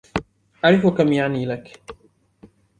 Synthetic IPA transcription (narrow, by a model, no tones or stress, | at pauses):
ʔaʕɾɪfʊkamjaʕniːlak